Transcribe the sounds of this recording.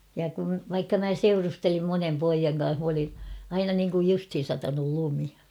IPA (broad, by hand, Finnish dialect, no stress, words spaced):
jɑ kun̞ ʋɑikːɑ mæ seurustelim monem poijɑŋ kɑ̃ːɑh m olin̞ ɑinɑ niŋkuj justhin̞ sɑtɑnul lumi